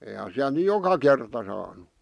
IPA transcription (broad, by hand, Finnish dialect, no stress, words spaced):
eihæn siælt̆ ny jokɑ kertɑ sɑːnu